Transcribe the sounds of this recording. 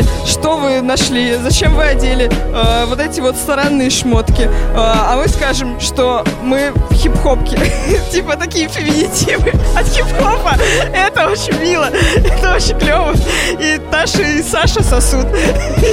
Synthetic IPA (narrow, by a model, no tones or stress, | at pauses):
ʂt̪o̞vɨnɐʂlʲizɐt͡ɕemvɨɐdʲelʲɪavo̞t̪ɛtʲɪvo̞t̪st̪ɐɾanːɨjəʂmo̞t̪kʲɪaɐmɨskaʐɨmʂt̪o̞mɨfxʲɪpxo̞pkʲɪtʲipət̪ɐkʲijəfʲɪmʲɪnʲɪtʲivɨɐt̪xʲɪpxopəɛt̪əo̞t͡ɕɪnʲmʲilˠəɛt̪əo̞t͡ɕɪnʲklʲo̞vəit̪aʂɨsaʂəsɐsut̪